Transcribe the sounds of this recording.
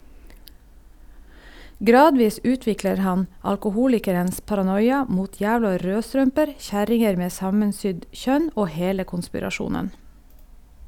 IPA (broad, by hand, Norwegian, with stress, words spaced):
ˈɡɾɑːdʋiːs ˈʉːtʋɪkləɾ ˈhɑn ɑlkʊˈhuːlɪkəɾəns pɑɾɑˈnɔjɑ ˈmuːt ˈjæːʋlɑ ˈɾøːˌstɾœmpəɾ ˈçæɾɪŋəɾ ˈmeː ˈsɑmənˌsʏɟ ˈçœn ˈoː ˈheːlə kʊnspɪɾɑˈʃuːnən